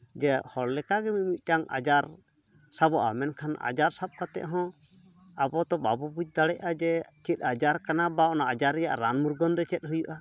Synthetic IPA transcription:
d͡ʒɛhɔɽlɛkaɡɛmit̪̚ˀmit̪̚ˀʈaŋa̰d͡ʒaɾ | sabɔʔa̰mɛnkʰana̰d͡ʒaɾsap̚kat̪ɛ̰ʔɦɔ̃ | abɔt̪ɔbabubut͡ʃ̚ˀd̪aɽɛʔad͡ʒɛt͡ʃit̪̚ˀad͡ʒaɾkanabaʔnaad͡ʒaɾːɛja̰ʔɾanmuɾɡɔnd̪ɛt͡ʃɛt̪̚ˀɦujuʔa

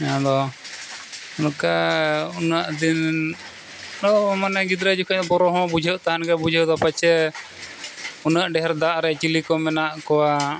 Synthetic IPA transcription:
ãd̪ɔ | unkaunaʔd̪in | ɔmanɛɡid̪ɾad͡ʒukaɲd̪ɔbɔɾɔɦɔ̃bud͡ʒʱəʔt̪aɦankɛbud͡ʒʱəd̪ɔpat͡ʃɛ | unaʔɖɛɦɛɾd̪aʔɾɛt͡ʃilikɔmɛnaʔkɔwa

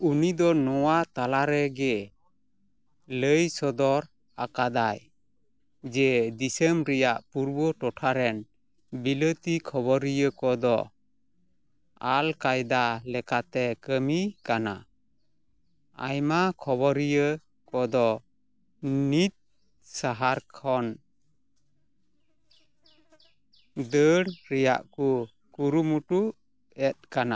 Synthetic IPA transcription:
unid̪ɔnɔwat̪alaɾɛɡɛ | ləjsɔd̪ɔɾ | akad̪aj | d͡ʒɛd̪isɛmɾɛjaʔpuɾbɔʈɔʈʰaɾɛn | bilət̪ikʰɔbɔɾijəkɔd̪ɔ | alkajd̪alɛkat̪ɛkəmikana̰ | a̰jmakʰɔbɔɾijə | kɔd̪ɔ | nit̪̚ | saɦaɾkʰɔn | d̪əɽɾɛja̰ʔku | kuɾumuʈuʔ | ɛt̪̚kana

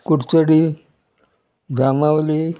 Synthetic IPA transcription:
kuʈt͡səɽi | ɡamaʋli

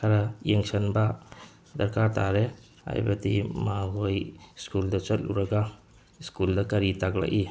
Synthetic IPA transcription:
kʰaɾajeŋsɐnba | dɐɾkaɾtʰaɾe | a̰jbɐdimaɦojskuldɐt͡ʃɐt̚lṵɾaɡa | skuldɐkɐɾitaɡla̰ʔi

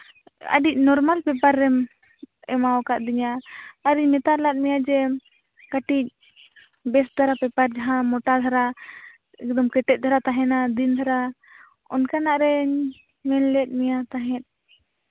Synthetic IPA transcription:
ə̰ɖic̚ˀnɔɾmalpɛpaɾːɛm | ɛmawɔkaʔ̪̚d̪iɲaːɾiɲmɛt̪aɾlat̪̚mɛjad͡ʒɛ | kaʈic̚ | bɛsd̪ʱaɾapɛpaɾd͡ʒaɦãmɔʈad̪ʱaɾa | ɛk̚d̪ɔmkɛʈɛt̪̚d̪ʰʱaɾat̪aɦɛnad̪ind̪ʱaɾa | ɔ̰nkanaʔɾɛɲ | mɛlːɛt̪̚ˀmɛjat̪aɦɛ̃t̪̚ˀ

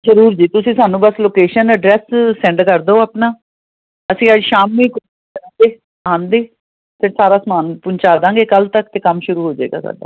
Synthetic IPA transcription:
zəɾuːɾd͡ʒiːt̪ʊsĩːsaːnũːbəsloːkeːʃənəɖɾɛːssɛ̃ɳɖkəɾd̪oːaːpnaː | əsĩːəːd͡ʒʃaːmːĩːkʊ | ɾãɡeː | ãːnd̪eː | pʰɪɾsaːɾaːsəmaːnpʊɲt͡ʃaːd̪ãːɡeːkəlt̪əkt̪eːkəmʃʊɾuːɦoːd͡ʒaḛːɡa̰ːsa̰ːɖa̰ː

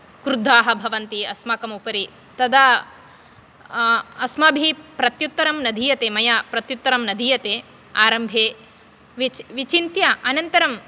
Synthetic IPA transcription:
kɾud̪ʱaːɦɐ̆bʱɐʋɐnt̪iɐsmaːkɐmupɐɾi | t̪ɐd̪ɐ | ɐsmɐbʱipɾɐt̪jut̪ːɐɾɐmnɐd̪ʱiːjɐt̪eːmɐjapɾɐt̪jut̪ːɐɾɐmnɐd̪ʱiːjɐt̪eː | aːɾɐmbʱeː | ʋʋit͡ʃint̪jɐʔɐnɐnt̪ɐɾɐm

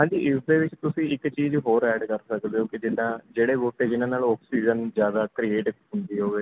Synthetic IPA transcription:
ɦãːɲd͡ʒiːʔɪsd̪eːʋɪt͡ʃt̪ʊsĩːɪkt͡ʃiːzɦoːɾɛːɖkəɾsəkd̪eːoːked͡ʒɪnãːd͡ʒeːɽeːboːʈeːd͡ʒɪnãːnaːlɔːksiːd͡ʒənzjaːd̪aːkɾiːeːʈɦʊnd̪iːɦoːɡeː

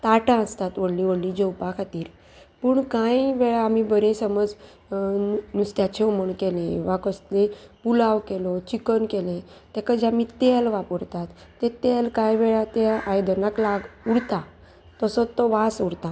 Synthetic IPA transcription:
t̪aʈãəst̪at̪ʋəɽlĩʋəɽlĩd͡ʑəwpakʰat̪iːɾ | puɳkãjʋɛɭaːmibəɾẽsəməd͡z | nust̪jat͡ɕʰeoməɳkelẽʋakəst̪lepulaʋkelɔt͡ɕikənkelẽ | t̪ɛkad͡ʑamit̪elʋapəɾt̪at̪ːet̪elkãjʋɛɭat̪eajd̪ənaklaɡuɽt̪a | t̪əsɔt̪ːɔʋasuɽt̪a

